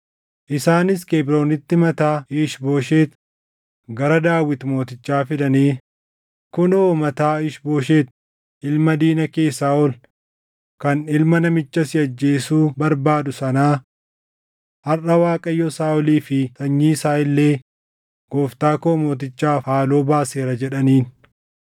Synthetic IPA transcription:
ʔɪsaːnɪskeːbɾo̞ːnɪt̪ːɪmɐt̪aːiːʃbo̞ːʃeːt̪ | ɡɐɾɐd̪aːwɪt̪mo̞ːt̪ɪt͡ʃːaːfɪd̪ɐneː | kʊnoːmɐt̪aːɪʃbo̞ːʃ̬e̞ːt̪̚ | ʔɪlmɐd̪iːnɐkeːsːaːɔl | kɐnɪlmɐnɐmɪt͡ʃːɐsɪɐd͡ʒːe̞ːsuːbɐɾbaːd̪ʊsɐnaː | hɐrɐwaːkʼɐjːɔsaːʔɔliːfɪt̪ɐɲːiːsaːɪlːe̞ː | ɡ̥oːft̪aːkoːmoːt̪̬ɪt͡ʃːaːaːloːbaːseːɾɐd͡ʒɛᶑɐniːn

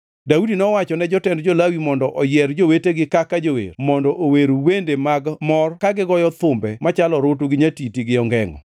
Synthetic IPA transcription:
daudinɔwat͡ʃɔnɛd͡ʒɔtɛndd͡ʒolawimɔndɔʔɔjɛɾd͡ʒoweteɡɪkakad͡ʒowḛɾmɔndɔʔoweɾowendemaɡmɔrkaɡɪɡɔjɔt̪ʊmbɛmat͡ʃalɔɾot̬oɡɪɲatitiɡɪɔŋɡɛŋɔ̰

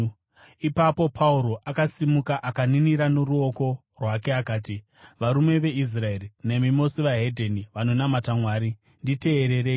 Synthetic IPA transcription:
ipapo̞pʰauɾo̞ʔakasimukaʔakaniniɾano̞ɾuoko̞ | rwake̞akaːti | ʋaɾumwe̞ʋe̞is̬rae̞rine̞mimo̞siʋaɦe̞dʱeniʋano̞namatamwaːɾi | ndite̞ːɾe̞ɾeːi

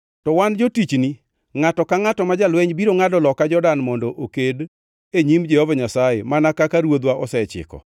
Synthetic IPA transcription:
tɔwand͡ʒotit͡ʃni | ŋatɔkaŋatɔmad͡ʒalwɛɲbiɾoŋadɔlɔkad͡ʒɔdanmɔndɔʔoked | eɲimd͡ʒɛhɔvaɲasajemanakakaɾwod̪waʔɔsɛt͡ʃɪ̰kɔ̰

